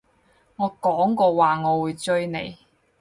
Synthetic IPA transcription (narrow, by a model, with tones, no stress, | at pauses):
ŋɔː˨˧kɔː˨˥ŋkɔː˧waː˨ŋɔː˨˧wuː˨˧jt͡ʃɵ˥ɥnḛ˨j